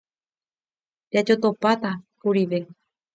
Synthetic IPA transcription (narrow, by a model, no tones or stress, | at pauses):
dad͡ʒot̪opat̪akuɾiʋe